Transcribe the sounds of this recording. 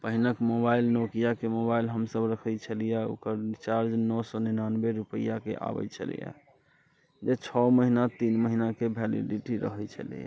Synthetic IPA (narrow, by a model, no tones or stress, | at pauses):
pəɦinəkmobailnokijakemobailɦəmsəbɾəkʰəjt͡ʃʰəlijao̰kəɾit͡ʃaɾd͡ʒnɔsɔninanbeɾupəjakḛʔa̰bɛ̰t͡ʃʰə̰lḭja̰ | d͡ʒet͡ʃʰɔməɦinat̪inməɦinakebʱɛlḭɖiʈiɾə̰ɦɛjt͡ʃʰə̰lḭja̰